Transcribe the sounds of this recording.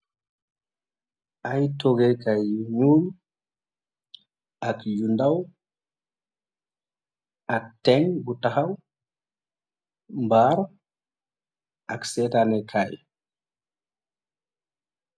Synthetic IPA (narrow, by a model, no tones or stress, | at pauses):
ʔajtɔɡɛkajɲul | akjundaw | ʔaktːɛŋɡutahaw | mbaɾ | ʔaksɛtanɛkʰaj